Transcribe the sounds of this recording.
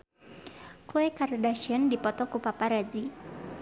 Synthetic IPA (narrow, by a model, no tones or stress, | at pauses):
kuekardaʃiəndipɔt̪ɔkupapaɾad͡ʒi